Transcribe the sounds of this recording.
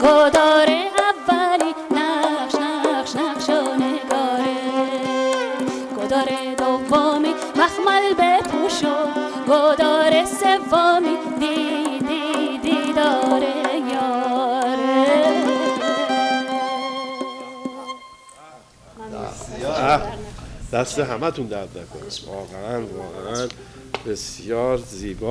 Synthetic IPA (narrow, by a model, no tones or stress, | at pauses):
ɡod̪ɔɾeavːalinaqʃnaqʃnaqʃoneɡɔɾe | ɡ̥od̪ɔɾe | d̪ovːɔmi | maxmalbepʰuʃo | ɡod̪ɔɾesevːɔmi | d̪id̪id̪id̪ɒːɾejɒːɾe | æ | d̪̥æst̪eɦæmæt̪ʰund̪æd̪næ̰kʰonivɒːɣeʔænvɒːɣeʔæn | besjɒːɾziːbɒ